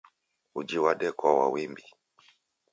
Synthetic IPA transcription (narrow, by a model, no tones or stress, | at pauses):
ud͡ʒiwaɗɛkawa̰wimbi